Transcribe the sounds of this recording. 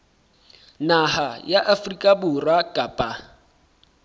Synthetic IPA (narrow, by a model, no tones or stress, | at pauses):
nahajaʔafrikʼabʊrwakʼapʼa